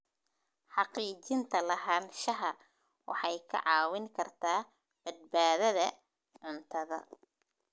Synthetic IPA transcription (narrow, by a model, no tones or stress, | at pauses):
ħɑqiːt͡ʃɪnt̪ʰɐlɐɦaːnʃɐɦɐ | wɑ̰ħɑjkʰɐ̰ʕɑːwɪŋkʰɐrt̪ʰaː | b̥ɐd̪̚baːðɐðɐ | ʕʊnt̪ʰɐðɐ̰